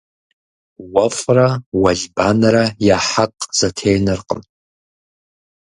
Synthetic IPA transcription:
wɐfʼrawɐɮbaːnɐɾɐjaħaqʼz̥ɐtʰejnɨrqʼə̰n

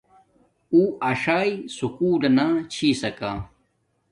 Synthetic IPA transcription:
uɐʂaːisukuːlɐnat͡ɕʰiːsɐkaː

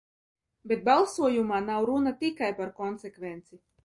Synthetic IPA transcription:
bʲet̪̚balˠsuɔjumaːnawɾunat̪ikajpaɾkɔnsekvɛnt̪si

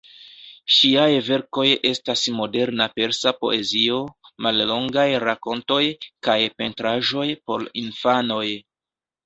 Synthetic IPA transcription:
ʃiajve̞ɾko̞je̞stasmo̞de̞ɾnape̞ɾsapo̞̰ʔe̞zio̞malːo̞ŋɡajɾako̞nto̞jkajpe̞ntɾaʒo̞jpo̞̰ɾinfano̞j

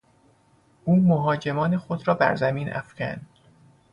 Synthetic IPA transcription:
uːmoɦɒːd͡ʒe̞mɒːne̞xod̪ɾɒːbæ̰ɾzæmiːnʔæ̰fcæ̰nd̪̥

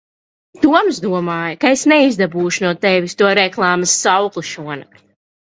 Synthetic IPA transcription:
t̪uɔmzd̪uɔmaːjɐkaesnɛizd̪abuːʃunuɔt̪ɛvʲist̪uɔɾɛklˠaːmɨsːawklˠiʃuɔna

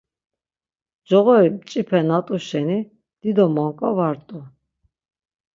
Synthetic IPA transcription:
d͡ʒɔʁɔɾimt͡ʃʼipʰɛnat̪ʼuʃɛni | d̪̥id̪ɔmɔŋkʼɔvaɾt̪ʼu

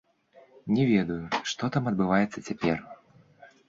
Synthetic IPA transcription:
nʲɛvʲɛd̪ɐjuʂt̪ɔt̪amɐd̪̚bɨvajɛt̪sːɐt͡sʲapʲɛ̰r

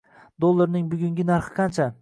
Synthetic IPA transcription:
d̪olˠːaɾnɪŋbʊɡʲʊŋɡʲɪnaɾχɨ̥qʰɑnt͡ʃʰa

